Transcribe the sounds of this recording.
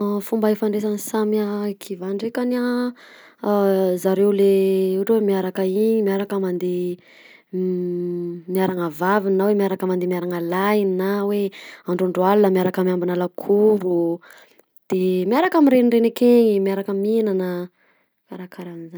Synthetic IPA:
fumbaefaɳɖ͡ʐesanisamiakʰivaɳɖ͡ʐekania | zaɾewleuʈ͡ʂwemiaɾakəiɲimiaɾakəmand̪e | mijaɾaŋəvavininawemiaɾakəmand̪emiaɾaŋalainnaweaɳɖ͡ʐuɳɖ͡ʐualunəmiaɾakamiambinalakʰuɾu | d̪̥emiaɾakamiɾenirenekeɲimiaɾakəminanə | maɾakʰaɾamiza

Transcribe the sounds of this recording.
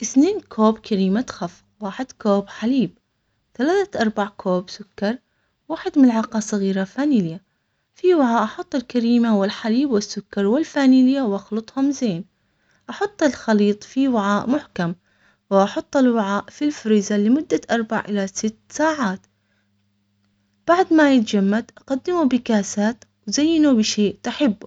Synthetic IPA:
ʔɪθneːnkʰoːbkʰaɾiːmat̪xaf | waːħɪd̪koːbħaliːb̚ | θalaːθaʔɑɾˤbaʕkʰoːbsʊkːɑɾˤ | waːħɪd̪mɪnɪʕɑqɑsˤɨɣiːɾafaːnilɪja | fiwɪʕaːʔɑħʊt̪ˤːɪlkaɾiːmawɪlħaliːbwɪsːʊkːɑɾˤwɪlfaːniːlɪjawʔɑxlʊt̪ˤhʊmzeːn | ʔɑħʊt̪ˤːɪlxɑliːt̪ˤfiwɪʕaːʔmʊħkam | wɪʔɑħʊt̪ˤːɪlwɪʕaːʔfilfʊɾɪzalɪmʊd̪ːaʔɑɾˤba̰ʕʔɪlasɪt̪ːsaːʕaːt̪ | b̥aʕd̪majɪt̪d͡ʒamːad̪ʔɑqad̪ːɪmubɪkaːsaːt̪wzajːɪnubɪʃeːʔt̪aħɪbː

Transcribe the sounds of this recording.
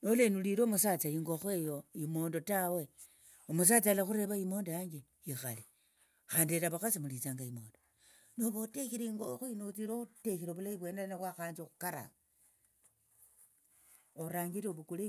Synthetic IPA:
nolenuliɾoːmusat͡saiŋɡo̞xwe̞joimo̞ːndo̞tawe̞ | omus̬at͡salaxuɾe̞βaimo̞ːndojaːɲɡe | jixali | xaːndieɾaβaxasimulit͡saːŋɡaimo̞ːndo | noβotexiɾeiŋɡoxuinot͡siɾotexiɾoβulajiβwe̞ːndaanaβwaxaːnzixu̥kaɾa̰ | oɾaːŋɡiɾeoβukule

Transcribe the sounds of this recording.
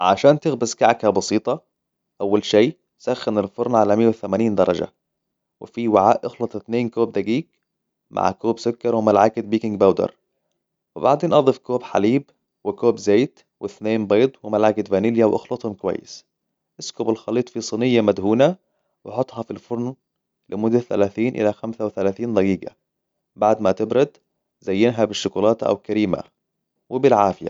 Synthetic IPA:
ʕaʃaːnt̪ɪɣbɪskaʕkhabɑsiːt̪ˤɑ | ʔawːalʃeː | saxːanɪlfʊɾˤnʕalamɪjːawθamaːniːnd̪ɑɾˤɑ̰d͡ʒa̰ | wɪ̰fiwaʕa̰ːʔʔɪxlɑt̪ˤɪθneːnkoːb̚d̪æɡiːk̚ | mʔa̰ʕ̰koːbsʊkːɑɾˤwɪmalʕaɡɪt̪̚biːkɪŋɡ̚bawd̪ɑ̰ɾˤ | wɪba̰ʕd̪eːnʔɑðˤifkoːbħa̰liːb | wɪkoːbzeːt̪ | wɪθneːnbeːd̪ˤwɪmælʕakɪd̪væniːljæwʔɑ̰xlɑt̪ˤhomkowæ̰jːɪ̰s | ʔɪskobɪlxɑlːiːt̪ˤfisˤɨnɪjːæmæd̪huːnæ | wɪħot̪ˤːhɑfilfʊɾˤn | lɪmʊd̪ːaθæ̰læːθiːnʔɪ̰læxæmsæwɪθælæːθiːnd̪ˤɑɡiːɡa̰ | baʕd̪mæt̪ɪbɾɑd̪ | zæjːɪnɦæbɪʃːʊkuːlɑːt̪ʔæ̰wkæɾiːma̰ | wɪbɪlʕaːfɪjæ̰

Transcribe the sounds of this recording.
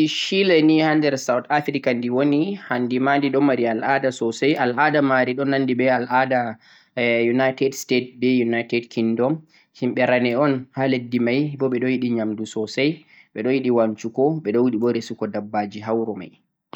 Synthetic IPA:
iʃilɛnihandɛɾsawtafɾikandiwonihandimandiɗɔmaɾialʔadasɔsajʔalʔadamaɾiɗɔnːanːdibɛalʔada | junajtɛdstet̚bɛjunajtɛdkindɔm | himɓɛɾanɛɔnhaledːimajbɔɓɛɗɔjiɗiɲamdusɔsaj | ɓɛɗɔjiɗiwant͡ʃukɔɓɛɗɔwiɗibɔɾesukɔdabːad͡ʒiɦawɾɔma̰j

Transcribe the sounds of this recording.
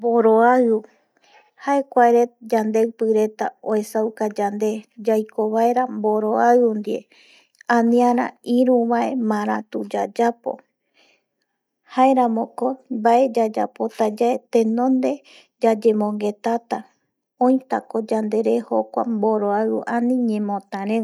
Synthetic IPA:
mboɾoau | haekʷaeɾe̞t̪̚d͡ʒand̪e̞wpɨɾe̞t̪a̰oesawkad͡ʒand̪ed͡ʒajkʰoβaeɾamboɾo̞aɨund̪iḛ | ãnĩãɾã̰iɾũβae̞mãɾ̃at̪ud͡ʒad͡ʒapo̞̰ | hae̞ɾãmõkobae̞d͡ʒad͡ʒa̰po̞t̪ad͡ʒaet̪ẽ̞nõnd̪e̞ | d͡ʒad͡ʒe̞mõ̞ŋɡe̞t̪at̪a | õj̃t̪ako̞d͡ʒand̪e̞ɾeho̞kʷa̰mboɾoauʔanĩɲẽmõt̪ãɾẽ

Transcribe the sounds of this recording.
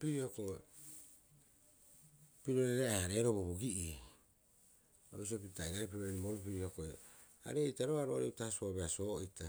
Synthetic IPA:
piɾioko | piɾoɾeɾeehaɾeɾoboβoɡiʔi | o̰is̬opitaiɾaɾepiɾoɾiboɾup̬iɾihokoe | a̰ɾeitaɾoaɾoɾeutahsobeaso̞ːita

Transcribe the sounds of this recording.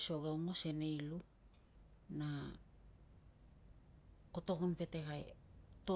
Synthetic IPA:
so̞ɡawŋo̞se̞ne̞jlu | na | koto̞kunpe̞te̞kaḛto

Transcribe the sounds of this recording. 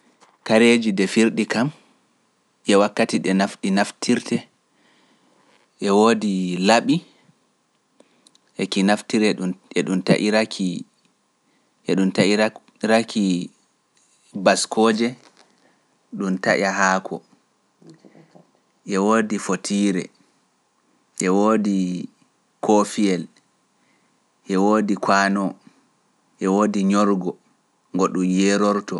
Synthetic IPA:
kaɾed͡ʒidɛfiɾɗikam | ʔɛwakːatiɗɛnafɗinaftʰiɾtʰɛ | ʔɛwoːdilaɓi | ʔɛkinaftiɾɛɛɗunta̰ʔiɾakʰi | ʔɛɗumtaʔi | ɾaki | baskʰoːd͡ʒɛ | ɗuntaʔaɦaːkʰɔ̰ | ʔɛwoːdifotʰiːɾɛ̰ | ʔɛwoːdi | kʰofiɛl | ʔɛwoːdikʰwaːnɔ | ʔɛwoːdiɲɔɾɡɔ | ŋɡɔɗumjɛɾɔɾtɔ

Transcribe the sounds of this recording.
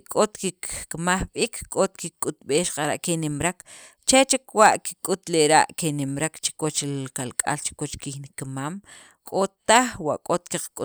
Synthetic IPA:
kʼot̪kikkmaχɓikʰkʼot̪kikʼut̪ɓeːʃqaɾa̰ʔkenimɾak | t͡ʃet͡ʃikwaʔki̥kʼut̪leɾa̰ʔkenimɾakt͡ʃi̥kwot͡ʃilkalkʼa̰lt͡ʃi̥kwot͡ʃkixnikmaːm | kʼot̪ːaχwa̰ʔkʼot̪kiqkʼu

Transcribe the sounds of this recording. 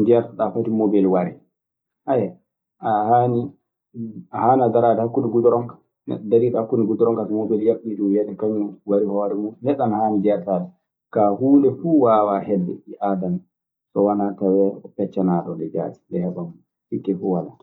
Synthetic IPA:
d͡ʒɛɾtaɗafatimobilwaɾɛ | hajɛ | ahaːni | ahaːnaɡaɾaːdɛhakːuniɡudɔɾɔŋkḁ | nɛ̰ɗɔdaɾiːɗahakːuniɡudɔɾɔŋkatmobiljaɓːiɗumjanɛkaɲuwaɾihɔːɾɛmuhɛɗanahaːnid͡ʒɛɾtadɛ | kahuːndɛfuːwaːwahɛdːɛ̰ʔiʔadan | sɔwanatawɛɔpɛt͡ʃːanaɗɔdɛd͡ʒa̰ːti̥dɛhɛɓam | hikːɛfuwala

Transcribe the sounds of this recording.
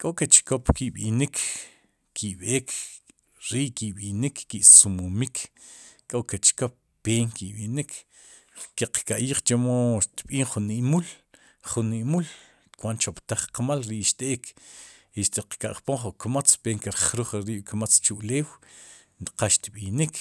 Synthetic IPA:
kʼoʔket͡ʃkopkiɓinikʰː | iɓeːk | ɾiʔkiɓinikːiʔsumumikʰ | kʼoket͡ʃkop̚ːeːŋkiɓinikʰ | keqkaʔjiːχt͡ʃemoʃt̪ɓiːŋχuniʔmul | χunːiʔmul | kwant͡ʃopt̪aχqamalɾiʔʃt̪ʼeːk | iʃt̪iqkaʔχpoŋχukmat͡speːŋkeɾχɾuχɾiʔkmat͡st͡ʃuʔleːw | qaʃt̪ɓinik

